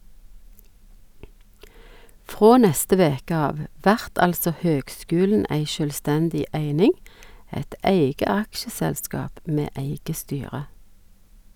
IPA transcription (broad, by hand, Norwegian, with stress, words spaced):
ˈfʁoː ˈnɛstə ˈʋeːkə ˈɑːʋ ˈʋæʁt ˈɑlsɔ ˈhøːɡˌskʉːln̩ ˈæɪ ʃœlˈstɛndɪ ˈæɪnɪŋ ˈɛt ˈæɪɡə ˈɑkʃəˌsɛlˌskɑːp ˈmeː ˈæɪɡə ˈstyːʁə